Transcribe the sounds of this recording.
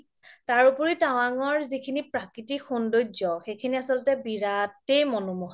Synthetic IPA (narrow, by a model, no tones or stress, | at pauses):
taɹupɔɹitaw̃aŋɔɹzikʰinipɹakɹitixundojzɔxejkʰiniasɔlʊtɛbiɹatejmɔnumɔɦ